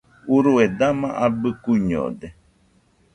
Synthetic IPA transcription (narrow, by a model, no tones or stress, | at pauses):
uɾued̪amãʔabɨkuɲo̰d̪e